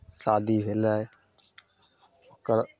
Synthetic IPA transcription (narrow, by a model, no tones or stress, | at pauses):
sad̪ʱibʱelae | okəɾ